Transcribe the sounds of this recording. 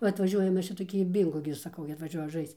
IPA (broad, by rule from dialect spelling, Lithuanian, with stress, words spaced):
ˈʋɐ ɐtʋɐˈʒʲuɔjɛ ˈmʲɛs t͡ʃʲɛ toːˈkʲiː ˈbʲiːŋɡoː ɡʲɪ sɐˈkɐʊ ɡʲɪ ɐtʋɐˈʒʲuɔjɛ ˈʒɐɪst͡s